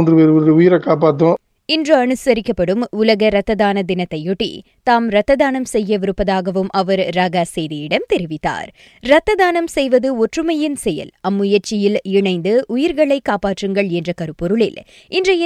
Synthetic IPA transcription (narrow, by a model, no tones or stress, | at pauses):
ndrɯʋeɾɾɯʊjɪɾɐkːaːp̬aːʈ̪ːõ | ɪndrɯɐɳɯsɐɾɪkːɐpːɐɽɯmʊlɐɣɐɾɐt̪ːɐðaːnɐd̪ɪnɐt̪ːɐjɔʈːḭ | t̪aːmɾɐt̪ːɐðaːnɐmsɛjːɐʋɪɾɯpːɐðaːɣɐʋɯmʔɐʋɐɾɾaɣasɛjðɪjɪɽɐmt̪ɛɾɪʋɪt̪ːa̰ːɾ | ɾɐt̪ːɐðaːnɐmsɛjʋɐðɯɔʈrɯmɐjɪnsɛjɐ̰lɐmːʊjɐɾt͡ʃɪjɪlɪɳɐɪnd̪ɯʔʊjɪɾɣɐɭɐɪkːaːpaːʈrɯŋɡɐɭɛndrɐkɐɾɯpːɔɾɯɭɪ̰l | ɪndrɐj